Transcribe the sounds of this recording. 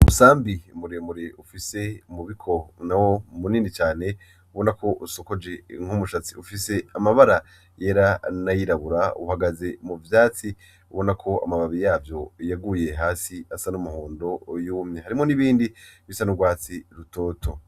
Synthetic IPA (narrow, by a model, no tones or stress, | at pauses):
umusaːmbiumuɾemuɾeufise̞muβikʰo̞nawo̞muniːnit͡ʃaːne̞ | uβo̞nako̞ʔuso̞ko̞d͡ʒe̞ŋ̥humuʃat͡siufise̞amaβaɾa | je̞ːɾanajiɾaβuɾaṵhaɡaze̞muvjaːt͡si | uβo̞nakʰo̞a̰maβaβijaːvjo̞jaɡuje̞ɦaːsiasanumuhoːndo̞juːmɲehaɾimŋo̞niβiːndiβisanuɡwaːt͡siɾuto̞ːto̞